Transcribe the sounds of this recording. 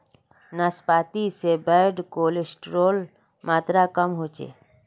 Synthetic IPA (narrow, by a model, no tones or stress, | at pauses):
naspaːt̪isebəːɖkoːlɪsʈɾoːl | maːt̪ɾakəmɦoːt͡ʃḛː